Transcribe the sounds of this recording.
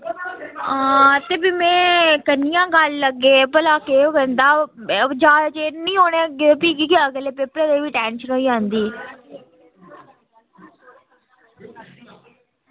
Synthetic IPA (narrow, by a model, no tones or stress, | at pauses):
əːt̪eːbiːmɛ̃ːkənɪjãːɡəlːəɡːeːpəlaːkeːokəɾnd̪aːd͡ʒaːt͡ʃeːnĩːɦoːneːɡpiːɡiːkeəɡleːpeːpɾed̪eːʋiːʈɛːnʃənɦoːiːd͡ʒãːnd̪iː